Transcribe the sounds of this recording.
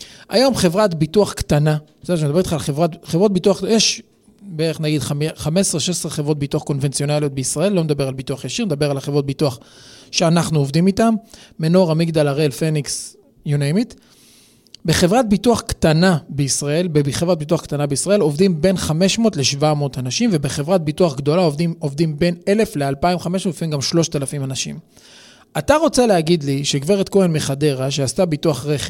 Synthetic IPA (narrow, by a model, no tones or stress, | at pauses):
ʔajo̞mχevʁat̪bituaχkt̪ana | seʃemed̪abetχaːlχevʁatχevʁot̪̚bituaχjeʃ | beʁeχnaɡid̪χχamesʁeʃesʁeχevʁo̞t̪̚bituaχko̞nvent͡sjo̞naljo̞t̪̚beisʁae̞lːo̞med̪abe̞ʁalbit̪uaχjaʃiʁned̪abeʁalχevʁo̞t̪̚bituaχʃeanaχnuovd̪imit̪amːeno̞ʁamiɡd̪alaʁelfeniks | junajmit̪ | be̞χe̞vʁat̪̚bituaχkt̪anabeisʁae̞lbebiχevʁat̚bit̪uaχkt̪anabeisʁae̞lo̞vdimbe̞nχame̞ʃmo̞ːtleʃvamo̞ːtanaʃimve̞be̞χevʁat̪̚bituaχɡd̪o̞laovdimovd̪imbe̞ne̞le̞flealpaimχameʃmotfimɡamʃlo̞ʃt̪alafimanaʃḭm | at̪aʁo̞t͡se̞leaɡid̪liʃeɡve̞ʁet̪ko̞enmeχad̪e̞ʁaʃ̬eastabituaχʁeχe